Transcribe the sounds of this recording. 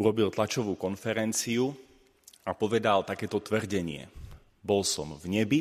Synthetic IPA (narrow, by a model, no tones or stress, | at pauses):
uɾɔbilt̪lat͡ʃɔʋuːkɔnfɛɾɛnt͡siu | apɔʋɛd̪alt̪akɛːt̪ɔt̪ʋrɟɛɲɪɛ̰ | bɔlsɔmvɲɛbi